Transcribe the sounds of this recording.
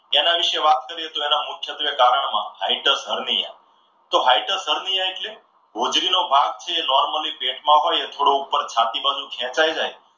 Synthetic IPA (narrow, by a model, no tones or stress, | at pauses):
enaʋɪʃeʋat̪kəɾiet̪uenamʊkʰjət̪ʋekaɾəɳ̃mã̰ɦaiʈəsɦəɾnija̰ | t̪oɦaiʈəsɦəɾniaeʈle | ɡʱud͡ʒɾinobʱãɡ̚t͡ʃʰeːnɔɾməlipeʈmãɦojet̪ʰoɽoupːəɾt͡ʃʰat̪ibad͡ʒũkʰɛ̃t͡ʃajd͡ʒaj